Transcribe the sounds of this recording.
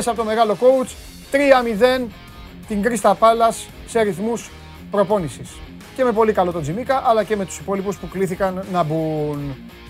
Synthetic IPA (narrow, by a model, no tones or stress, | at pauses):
sɐpot̪o̞me̞ɣɐlo̞ko̞ut͡s | t̪ɾiɐmiðe̞n | t̪iŋɡɾist̪ɐpɐlɐsːeɐɾiθmus | pɾo̞po̞nisis | ce̞me̞po̞likɐlo̞t̪o̞d͡zimikɐʔɐlɐce̞me̞t̪u̥sipo̞lipuspukliθikɐnːɐbun